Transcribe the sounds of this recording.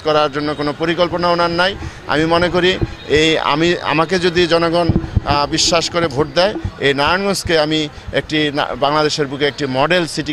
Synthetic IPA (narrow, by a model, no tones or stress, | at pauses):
kɔɾaɾd͡ʑonːokonopoɾikolponaonanːaj | a̰mimonekoɾieja̰mia̰maked͡ʑod̪id͡ʑɔnoɡonbiʃːaʃkoɾebʱoʈ̚d̪ɛeejnaɾanɡoskeami | ḛk̚ʈḭbaŋlad̪eʃeɾbukeek̚ʈimɔɖelsiʈi